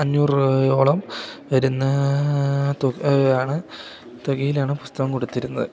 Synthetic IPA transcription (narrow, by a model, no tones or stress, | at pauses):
ɐɲːuːrjo̞ːɭɐmʋɐɾunːɐ | t̪oaːɳɨ | t̪oɡijilaːɳɨpu̥st̪ɐʋɐmkoɽut̪ːiɾunːɐðɨ